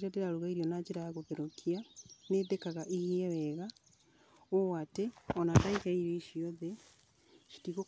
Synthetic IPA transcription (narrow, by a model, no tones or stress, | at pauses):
ɾadeɾaɾuɣaiɾionad͡ʒeɾaaɣoβeɾokʰianeðekaɣaʔihiewɛɣa | wowateɔnataikaiɾeiʃioðe | ʃi̥tiɣo